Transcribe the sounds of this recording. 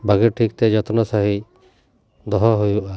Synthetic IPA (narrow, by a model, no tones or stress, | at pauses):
bʱaɡɛʈʰik̚t̪ɛd͡ʒɔt̪ɔnɔsaɦi | d̪ɔɦɔɦujuʔa